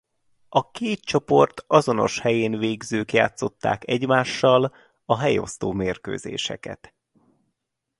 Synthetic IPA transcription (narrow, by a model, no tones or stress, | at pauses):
ʔɒkeːt̪̚t͡ʃo̞po̞rt̪ɒzo̞no̞̰ʃhɛjeːnveːɡzøːkja̰ːt̪so̞t̪ːa̰ːkɛɟmaːʃːɒl | ɒɦɛjo̞̰st̪oːmeːrkø̰ːzḛːʃɛkɛ̰t̪